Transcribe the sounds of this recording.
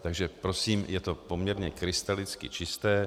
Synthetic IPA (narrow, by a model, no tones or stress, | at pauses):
t̪aɡʒɛpɾo̞siːmjɛt̪o̞po̞mɲɛɾɲɛkɾɪst̪alɪt͡skɪ̰t͡ʃɪst̪ɛː